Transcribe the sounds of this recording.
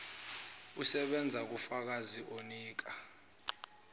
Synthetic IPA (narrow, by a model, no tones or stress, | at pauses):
usɛɓɛnd͡zʱak̬ufak̬aziʔoniːk̬a